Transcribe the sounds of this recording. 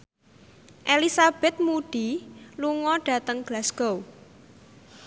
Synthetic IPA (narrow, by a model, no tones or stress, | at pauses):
ʔelisab̥ɛt̪̚muɖ̥i̤luŋɔɖ̥a̤t̪əŋɡ̥lasɡ̥ow